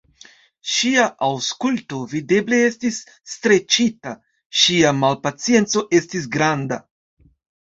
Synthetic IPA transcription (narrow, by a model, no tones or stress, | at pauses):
ʃiaʔawskulto̞vide̞ble̞e̞stisː | tɾe̞t͡ʃita | ʃiamalpat͡sije̞nt͡so̞ʔe̞stis̬ɡɾanda